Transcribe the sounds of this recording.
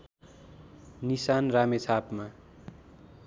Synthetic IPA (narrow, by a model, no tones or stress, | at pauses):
nisanramet͡sʰapma